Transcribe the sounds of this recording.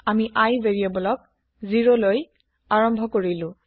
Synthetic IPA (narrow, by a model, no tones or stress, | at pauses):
amiʔajveɹijɔbɔlɔk̚ | ziɹoloj | aɹɔmbʱɔkoɹilʊ̃